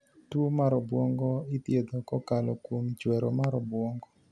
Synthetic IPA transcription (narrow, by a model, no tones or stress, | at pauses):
tomaɾɔbwɔŋɡɔit̪jed̪okɔkalɔkwomt͡ʃwɛɾɔmaɾɔbwɔŋɡɔ